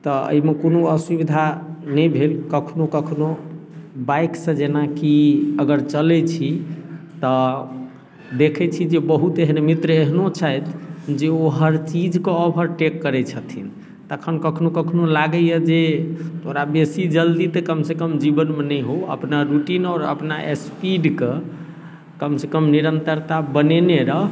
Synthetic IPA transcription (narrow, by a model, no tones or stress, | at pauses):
t̪ɔə̰imekonoəsubid̪ʱanəjbʱelkəkʰnokəkʰno | bajksə̃d͡ʒenakiəɡəɾt͡ʃəlɛt͡ʃʰi | t̪ɔ | d̪ekʰɛt͡ʃʰid͡ʒebəɦut̪eɦnemit̪ɾəeɦnot͡ʃʰajt̪d͡ʒeoɦəɾt͡ʃid͡ʒkeɔbɦəɾʈekːəɾɛt͡ʃʰət̪ʰin | t̪əkʰənkəkʰnokəkʰnolaɡəjəd͡ʒet̪ʰoɾabesid͡ʒəld̪it̪ekəmsekəmd͡ʒibənmenɛjɦoə̰pnaɾuʈinɔːɾə̰pnaʔespiɖke | kəmsekəmniɾənt̪əɾt̪abəneneɾə